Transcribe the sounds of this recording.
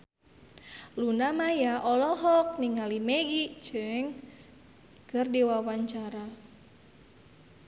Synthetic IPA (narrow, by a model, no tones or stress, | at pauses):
lunamajaʔɔlɔɦɔk̚niŋalimeɡit͡ʃɨŋ | kərdiwawaɲt͡ʃaɾa